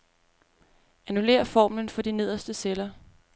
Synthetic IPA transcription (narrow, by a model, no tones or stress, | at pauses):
ænule̝̰ːɐfɒ̰ːmlənfɒ̽d̥ine̝ð̞̰ˠɐsd̥əselɐ